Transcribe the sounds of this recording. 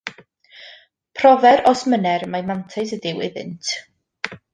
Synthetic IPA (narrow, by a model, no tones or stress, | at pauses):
pʰrɔvɛɾɔsmənɛrmajmantʰasədɪwɪðɪ̰ntʰ